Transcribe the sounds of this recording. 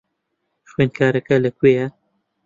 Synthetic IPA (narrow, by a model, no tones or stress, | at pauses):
xweːnkʰaːɾɐkɐlɐkwejɐ